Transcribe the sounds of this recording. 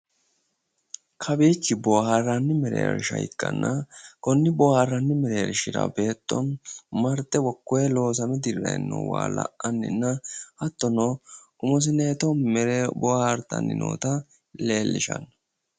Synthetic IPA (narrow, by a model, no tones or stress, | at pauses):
kʰɐbeːt͡ʃːɪbɔːharːanːɪmɛɾḛːɾɪʃɐjɪ̰kʼːɐnːɐkɔnːɪbɔaːrːɐnːɪmɛɾeːɾɪʃɪɾɐ̰be̞ːt̪ʼːɔ̰nmɐɾt̪ːɛwɔkːɔjɛlo̞ːs̬ɐmɛd̪ɪrːɐɛ̰nːo̰wa̰ːlɐ̰ʔɐnːɪ̰nːɐʔɐt̪ːɔnoʔʊmɔs̬ɪneːt̪ɔnmɛɾbɔaɾt̪ːɐ̰nːɪno̰ːt̪ɐ | le̞ːlːɪʃɐ̰n